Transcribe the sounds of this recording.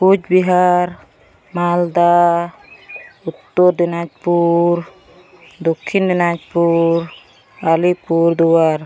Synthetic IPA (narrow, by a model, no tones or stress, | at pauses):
kud͡ʒbiɦaɾ | mald̪a | ut̪ːoɾd̪inad͡ʒpuɾ | d̪okʰːind̪inad͡ʒpuɾ | alipuɾd̪uwaɾ